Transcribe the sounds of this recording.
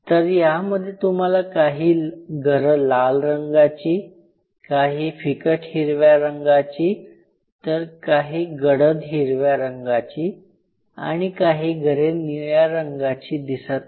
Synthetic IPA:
t̪əɾjaməd̪ʱːjet̪um̤alakaɦiːɡʱəɾəlalɾəŋɡat͡ɕiː | kaɦiːfikəʈhiɾʋjaɾəŋɡat͡ɕiː | t̪əɾkaɦiːɡəɽəd̪ɦiɾʋjaɾəŋɡat͡ɕiː | a̰ɽ̃ikaɦiːɡʱəɾenijaɾəŋɡat͡ɕiːd̪isat̪

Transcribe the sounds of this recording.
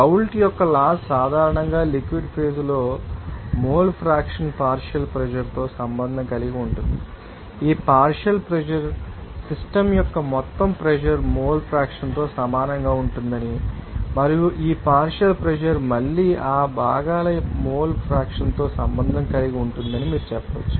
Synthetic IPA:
ɐwlʈijɔkːɐlaːssaːd̪ʱaːɾɐɳɐŋɡaːlikʋiɖpʰeːd͡ʒlo̞ː | moːlpʰɾaːkʂɐnpaːɾʂɐlpɾɛʒɐɾt̪o̞ːsɐmbɐnd̪ʱɐŋkɐliɡiuɳʈund̪i | iːpaːɾʂɐlpɾɛd͡ʒɐɾsisʈɐmjɔkːɐmɔt̪ːɐmpɾɛʃɐɾmoːlpʰɾaːkʂɐnt̪o̞ːsɐmaːnɐŋɡaːuɳʈund̪ɐnimɐɾijuʔiːpaːɾʂɐlpɾɛd͡ʒɐɾmɐɭːiːʔaːbʱaːɡaːlɐmoːlpʰɾaːkʂɐnt̪o̞ːsɐmbɐnd̪ʱɐŋkɐliɡiuɳʈund̪ɐnimiːɾut͡ʃɛpːɐʋɐ̰t͡ʃːu̥

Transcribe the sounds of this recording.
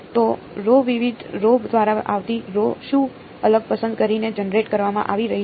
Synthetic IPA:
t̪o | ɾoʋiʋid̪ʱɾobd̪ʋaɾaʔaʋt̪iɾoʃũ | ələɡ̚pəsənd̪kəɾined͡ʒənɾeʈkəɾʋamã̰ʔaʋiɾəɦi

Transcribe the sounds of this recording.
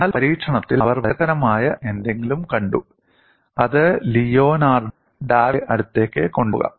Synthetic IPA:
aːlpɐɾiːʈʂɐɳɐt̪ːilɐʋɐrʋɐɐɣɐɾɐmaːjɐʔe̞nd̪e̞ŋɡilumkɐɳɖu | ɐðɨlijo̞ːnaːr | ɖaːʋʔɐɽut̪ːe̞ːkːɨko̞ɳɖuɣɐ̰m

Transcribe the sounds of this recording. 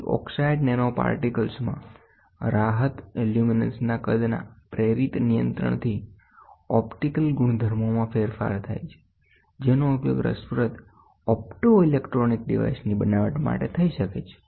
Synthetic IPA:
ɔ̰ksaiɖnenopa̰ɾʈikəlsmã̰ | ɾaɦət̪eljuminə̰nsnakəd̪na̰pɾeɾit̪nijə̰̃nt̪ɾə̰ɳ̃t̪ʰi | ɔpʈikəlɡuɳ̃d̪ʱəɾmomãfeɾfa̰ɾt̪ʰa̰jt͡ʃʰe̥ | d͡ʒenoupjo̰ɡɾə̰spɾət̪ | ɔp̚ʈoilekʈɾonik̚ɖiʋa̰isnibənaʋəʈma̰ʈet̪ʰəiʃəket͡ʃʰe̥

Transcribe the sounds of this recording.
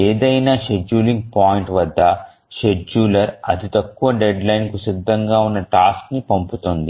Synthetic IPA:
eːd̪ɐjnaːʃe̞d͡ʒuːliŋɡ̚paːjiɳʈʋɐd̪ːɐ | ʃe̞d͡ʒuːlɐɾɐt̪it̪ɐkːuʋɐɖeɖlɐjnkusid̪ʱːɐŋɡaːunːɐʈaːsknipɐmput̪ond̪i

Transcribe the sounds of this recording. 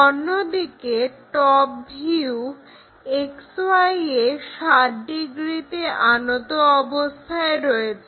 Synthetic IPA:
onːod̪ikeʈɔp̚bʱiu | eksoajeʃaʈ̚ɖiɡɾit̪eʔanot̪oɔbost̪ʰaeɾɔet͡ɕʰe

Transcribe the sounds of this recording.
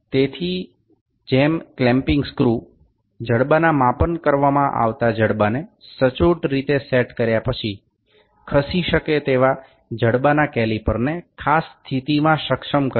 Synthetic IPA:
t̪et̪ʰi | d͡ʒemklɛ̃mpɪŋɡskɾu | d͡ʒəɽbanamãpənkəɾʋamãʔa̰ʋt̪ad͡ʒəɽbanesət͡ʃuʈɾit̪eseʈkəɾjapət͡ʃʰi | kʰəsiʃəket̪eʋa | d͡ʒəɽbanakɛlipəɾnekʰast̪ʰit̪imãʃəkʃəmkə

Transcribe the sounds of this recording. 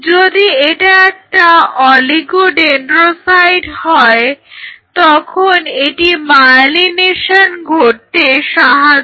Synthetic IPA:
d͡ʑod̪ieʈaɛk̚ʈaɔliɡoɖenʈɾosajɖhɔet̪ɔkʰoneʈimaɾlineʃanɡʱoɾt̪eʃaɦad͡ʑ

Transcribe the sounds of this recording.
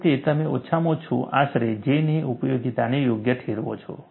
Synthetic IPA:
t̪et̪əmeo̰tːʃʰamõt͡ʃʰo̰ʔa̰ʃɾed͡ʒeniʔupjoɡit̪anejoɡjəʈʰeɾʋõ̰t͡ʃʰo̰

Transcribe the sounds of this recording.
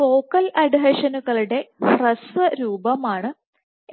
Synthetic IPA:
fo̞ːkːɐlɐɖɦɐʂɐnuɣɐɭuɽe̞prɐsɨɾuːbɐmaːɳɨ

